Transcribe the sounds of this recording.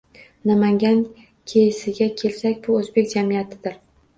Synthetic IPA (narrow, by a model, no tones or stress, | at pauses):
namaŋɡʲan | kʲʰejsɪɡʲakʲʰe̞lsakʲbʊɵzbe̞k̚ʲd͡ʒamijat̪ʰɪd̪ɪɾ